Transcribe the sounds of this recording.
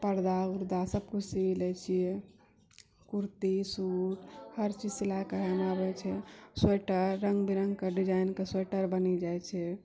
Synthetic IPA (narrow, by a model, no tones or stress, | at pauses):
pəɾd̪auɾd̪asəb̚kʰusilɛt͡ʃʰijɛ | kuɾt̪isuʈhəɾt͡ʃid͡ʒsilakəɾanabɛt͡ʃʰɛseʈəɾːəŋɡbiɾə̃ŋɡkeɖid͡ʒajnkesweʈəɾbənid͡ʒajt͡ʃʰɛ